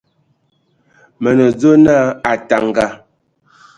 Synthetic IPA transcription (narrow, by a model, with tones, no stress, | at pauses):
mə˨nə˨d͡zo˦na˦a˨ta˨ŋ˨ɡa˨